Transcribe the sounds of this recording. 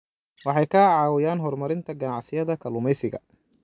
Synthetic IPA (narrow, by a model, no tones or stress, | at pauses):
wɑħɑjkʰɐʕɑːwɪjaːnɦɔrmɐɾɪnt̪ʰɐɡɐnɑʕsɪjɐðɐkʰɐlʊmɛjsɪɣɐ̰